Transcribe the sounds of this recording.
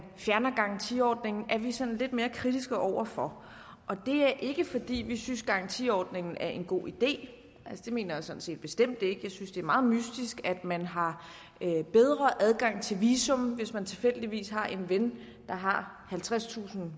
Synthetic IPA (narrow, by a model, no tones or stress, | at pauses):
fjæɐnɐɡ̥ɑ̈n̩t͡sʰḭɒ̰ːd̥ne̝ŋn̩ʔæɐʋisɒ̽nle̝d̥me̝ːɐkʰʁid̥isɡ̥əʔɒʊ̰ɐfɒ̽ | ʔɒ̽d̥e̝æɐʔe̝ɡ̥əfɒ̽d̥ḭːʋisynsɡ̥ɑ̈n̩t͡sʰiɒ̰ːd̥ne̝ŋn̩æɐʔe̝nɡ̥o̝̰ːid̥e̝̰ː | ʔælsəd̥e̝me̝ːnɐjäsɒ̽n̩se̝̰ːd̥b̥e̝sd̥em̰d̥e̝ɡ̥əjɑ̈ɪsynsd̥e̝æɐmɑ̈ːð̞̩ˠmysd̥isɡ̥æd̥mænɦɑ̈ | b̥eð̞ˠʁɐʔæðˠɡ̥ɑ̈ŋ̰t͡sʰe̝lʋiːsɔ̽mʋe̝smænt͡sʰe̝lfel̰d̥iʋḭːsɦɑ̈ʔe̝nʋen | d̥ɑ̈ɦɑ̈ | hælt͡sʰʁast͡sʰṵːsn̩